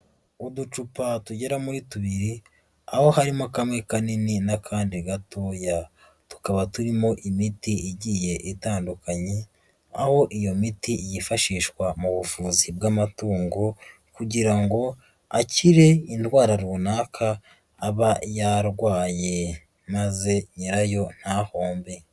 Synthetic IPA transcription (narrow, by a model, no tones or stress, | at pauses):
udut͡ʃupatuɟe̞ɾamujituβiɾi | aho̞haɾimo̞kamŋe̞kanininakʰaːndiɡatoːja | tu̥kaβatuɾimo̞ʔimitiiɟiːje̞ʔitaːndukaɲe̞ | aho̞ʔijo̞mitijifaʃiːʃkwamuβufuːzibɡamatuːŋɡo | kuɟiɾaŋɡo̞ | aciɾe̞intwaːɾaɾuːnaːkʰaː | βajaɾɡwaːje̞ | maze̞ɲiɾajo̞n̥hahoːmbe̞